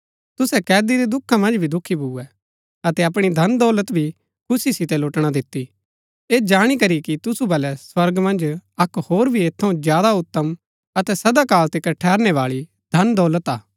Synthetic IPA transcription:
t̪ʊsɛkɛːd̪iɾid̪ʊkʰːamɐ̃nd͡ʒbʱid̪ʊkʰibʱuːɛ | ɐt̪ɛɐp̬ɽ̃id̪ʱɐnd̪ɔːlət̪bʱi | kʰʊsisɪt̪ɛloːʈɽ̃ad̪ɪt̪ːi | eːd͡ʒaːɽ̃ikɐɾikit̪ʊsubɐlɛswɐɾɡmɐ̃nd͡ʒɐkhoːɾbʱieːt̪ʰːɐũzjaːd̪aʊt̪ːəm | ɐt̪ɛsɐd̪akaːlt̪ekɐʈʰːɛːɾnɛʋaːɭi | d̪ʱɐnd̪ɔːlət̪aː

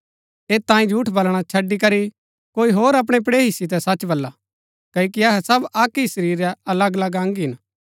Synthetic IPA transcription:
eːt̪ːãːĩd͡ʒʱuːʈʰbɐlɽ̃at͡ʃʰɐɖːik̬ɐɾi | koːiɦoːɾɐp̬ɽ̃ep̬ɽeːɦɪsit̪̬ɛsɐt͡ʃbɐlːa | kɐok̬iɐɦɛsɐbaːkisəɾiːɾɛɐləɡɐlɐɡãːŋɡɦɪn

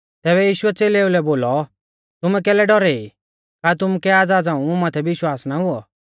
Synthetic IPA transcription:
t̪ɛːβɛjiːʃʊɛt͡seːleulɛboːlɔ | t̪ʊmɛkɛːlɛɖɔɾɛi | kat̪̬ʊmukɛaːd͡zaːd͡zãːũmumat̪ʰɛʋɪʃwaːsnaɦʊɔ

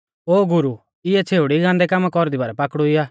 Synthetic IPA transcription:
oːɡʊɾu | ɪɛt͡sʰeːuɽiɡãːnd̪ɛkamakɔɾd̪ibaɾɛpakɽuɪjaː

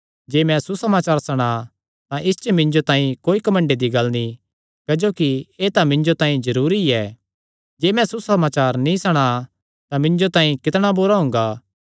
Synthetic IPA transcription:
d͡ʒeːmɛ̃susɐmaːt͡ʃaːɾsɐɽ̃a | t̪ãʔɪst͡ʃəmɪ̃nd͡ʒot̪ãːĩkoːikɐmə̃ɳɖed̪iɡɐlni | kɐd͡ʒoːkieːt̪ãmɪ̃ɲd͡ʒot̪ãːĩzɐɾuːɾiɛː | d͡ʒeːmɛ̃susɐmaːt͡ʃaːɾnĩsɐɽ̃a | t̪ãmɪ̃ɲd͡ʒot̪ãːĩkɪt̪ɽ̃abuɾaɦʊ̃ŋɡaː

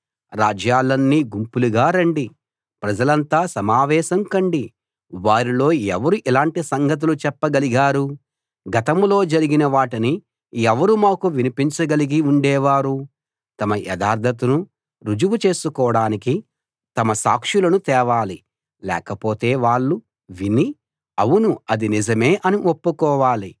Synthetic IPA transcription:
ɾaːd͡ʒjaːlɐnːiːɡumpuluɡaːɾɐɳɖi | pɾɐd͡ʒɐlɐnt̪aːsɐmaːʋɛːʃɐŋkɐɳɖi | ʋaːɾilo̞ːɛʋɐɾuʔilaːɳʈisɐŋɡʱɐt̪̬ulut͡ʃɛpːɐɡɐliɡaːɾu | ɡɐt̪ɐmlo̞ːd͡ʒɐɾiɡinɐʋaːʈini | ɛʋɐɾumaːkuʋinipiɲt͡ʃɐɡɐliɡiuɳɖɛːʋaːɾu | t̪ɐmɐjɛ̰d̪aːɾd̪ʱɐt̪unu | ɾud͡ʒuʋut͡ʃe̞ːsukɔːɐɽaːniki | t̪ɐmɐsa̰ːkʂulɐnut̪ɛːʋaːli | lɛ̰ːkɐpoːt̪e̞ːʋaːɭːu | ʋini | ɐʋunuɐd̪inid͡ʒɐmeːʔɐniʔopːukɔːʋaːli

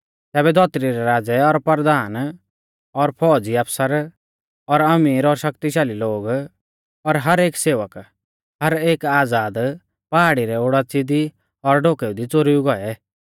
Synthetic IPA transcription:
t̪ɛːbɛd̪ʱɔt̪ɾiɾɛɾaːd͡zɛɔɾpəɾd̪aːn | ɔɾpʰɔːd͡ziɐpʰsəɾ | ɔɾɐmiːɾɔɾʃɐkt̪iʃ̬aːliloːɡ | ɔɾɦɐɾeːkseːʋək | hɐɾeːkaːd͡zaːd̪ | paɦaɽiɾɛoɽat͡sɪd̪i | ɔɾɖoːkɛːud̪it͡soɾiuɡɔɛ

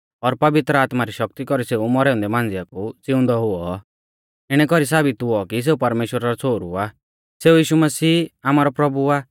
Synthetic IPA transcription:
ɔɾpɐʋɪt̪ɾəaːt̪maɾiʃɔk̚t̪ikɔɾiseːumɔɾɛːʊ̃nd̪ɛmãːnd͡zɪjakut͡sɪʊ̃nd̪ɔɦʊɔ | ɪɽ̃ɛkɔɾis̬aːbit̪ʊɔkis̬eːupɐɾmeːʃwəɾaɾɔt͡sʰoːɾua | seːujiːʃumɐsiːaːmaːɾɔpɾɔbuaː

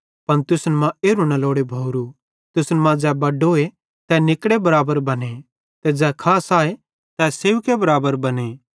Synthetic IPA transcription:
pɐnt̪ʊsnmãeːɾunaloːɽebʱɐʊɾu | t̪ʊsnmãd͡ʒɛːbɐɖoːe | t̪ɛnɪkɽebɐɾaːbəɾbɐne | t̪ɛd͡ʒɛːkʰaːsaːe | t̪ɛseːʋkebɐɾaːbəɾbɐne

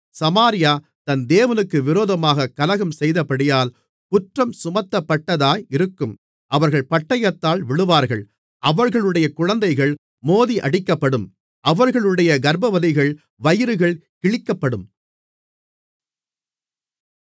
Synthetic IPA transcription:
sɐmaːɾɪjaː | t̪ɐnd̪eːʋɐnɯkːɯʋɪɾoːðɐmaːɣɐkɐlɐɣɐmsɛjðɐpɐɽɪjaːl | kʊʈrɐmsʊmɐt̪ːɐpːɐʈːɐðaːjɪɾɯkːɯm | ʔɐʋɐɾɣɐɭpɐʈːɐjɐt̪ːaːlʋɪɭɯʋaːɾɣɐɭ | ʔɐʋɐɾɣɐɭɯɽɐjɐkʊɻɐnd̪ɐɪɣɐɭ | moːðiʔɐɽɪkːɐpːɐɽɯm | ʔɐʋɐɾɣɐɭɯɽɐjɐɡɐɾbɐʋɐðɪɣɐɭ | ʋɐjɪɾɯɣɐɭkɪɭɪkːɐpːɐɽɯm

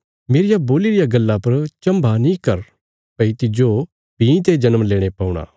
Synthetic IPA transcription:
meːɾɪjaboːliɾɪjaɡɐlːapɐɾt͡ʃɐ̃mbʱanĩkɐɾ | pɐit̪ɪd͡ʒo | pĩt̪̬ed͡ʒɐnəmleːɽ̃epɐːuɽ̃a̰ː

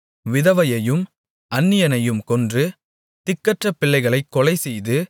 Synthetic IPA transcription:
ʋɪðɐʋɐjɐjɯm | ɐnːɪjɐnɐjɯmkɔndrɯ | t̪ɪkːɐʈrɐpːɪlːɐɪɣɐɭɐɪkːɔɭɐɪsɛjðɯ

